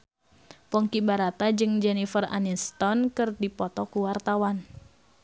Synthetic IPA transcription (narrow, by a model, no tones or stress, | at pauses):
pɔŋkibaɾat̪ad͡ʒɨŋd͡ʒɛnifəra̰nist̪ɔnkɨrdipɔt̪ɔkuwart̪awan